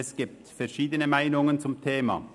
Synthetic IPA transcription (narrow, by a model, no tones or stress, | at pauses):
ɛsɡ̥ɪp̚t̪fɛɾʃiːd̪ənəmæɪnʊŋənt͡sʊmt̪ʰeːmɑ̰